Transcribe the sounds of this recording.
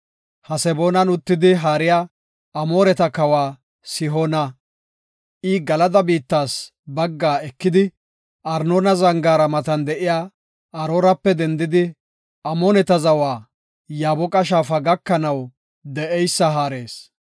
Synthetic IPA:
hɐsɛboːnɐnʊt̪ːɪd̪ɪɦaːɾɪjaː | ɐmoːɾɛt̪ɐkɐwaː | sɪɦoːnɐ | ʔɪɡɐlɐd̪ɐbiːt̪ːaːs | bɐɡːaːɛkːɪd̪ɪ | ʔɐɾnoːnɐzɐŋɡaːɾɐmɐt̪ɐnd̪ɛʔɪjaː | ʔɐɾoːɾɐpːɛd̪ɛnd̪ɪd̪ɪ | ʔɐmɔnɛt̪ɐzɐwaː | jaːbɔkʼɐʃ̬aːfɐɡɐkːɐnɐw | d̪ɛʔɛjsːɐɦaːɾe̞ːs

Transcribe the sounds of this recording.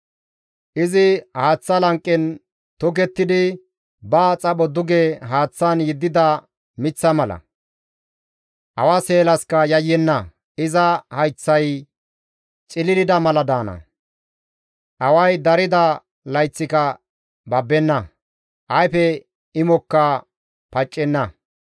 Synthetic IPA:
ʔɪzɪhaːt͡sːɐlɐŋkʼːɛn | t̪ʊkɛt̪ːɪd̪ɪ | bɐt͡sʼɐɓɔd̪ʊɡeɦaːt͡sːɐnjɪd̪ːɪd̪ɐ | mɪt͡sːɐmɐlɐ̰ | ʔɐwɐse̞ːlɐskɐjɐjːɛnːɐ | ɪzɐhɐjt͡sːɐj | t͡ʃʼɪlɪlɪd̪ɐmɐlɐd̪aːnɐ̰ | ʔɐwɐjd̪ɐɾɪd̪ɐ | lɐjt͡sːɪkɐ | bɐbːɛnːɐ | ʔɐjpɛ | ɪmɔkːɐ | pɐt͡ʃʼːɛnːɐ

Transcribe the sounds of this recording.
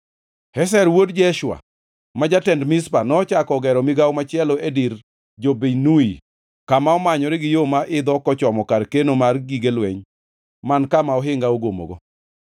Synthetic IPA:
hɛs̬ɛɾwodd͡ʒɛʃwa̰ | mad͡ʒatɛndmɪspanɔːt͡ʃakɔɡɛɾɔmɪɡawmat͡ʃɪɛlɔediɾ | d͡ʒobenui | kamaɔmaɲɔɾɪɡɪjomaʔɪd̪ɔkɔt͡ʃɔmɔkaɾkenomarɡiɡelweɲ | mankamaɔɦɪŋɡaoɡomo̰ɡɔ

